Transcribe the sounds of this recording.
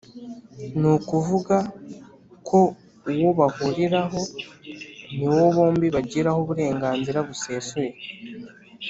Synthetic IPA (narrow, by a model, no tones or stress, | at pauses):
nukuvuɡa | kʰo̞ | uwo̞βahuɾiɾaɦo̞ | niwo̞βo̞ːmbiβaɟiɾahoβuɾe̞ːŋɡaːnziɾaβuse̞ːsuje̞